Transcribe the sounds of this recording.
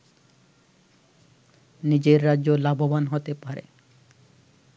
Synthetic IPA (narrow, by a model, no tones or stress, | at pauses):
nid͡ʑeɾːadʑolabʱobanɦot̪epaɾḛ